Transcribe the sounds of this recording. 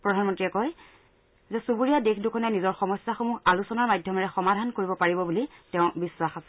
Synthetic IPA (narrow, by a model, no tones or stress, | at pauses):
pɹɔdʱanmɔntɹiɛkɔj | zɛsubuɹijadekʰdʊkʰɔnɛnizɔɹxɔmɔsːaxomualusɔnaɹmajdʱjɔmaɹɛxɔmadʱankoɹibɔpaɹibɔbulitɛʊ̃bisːwaxasɛ̥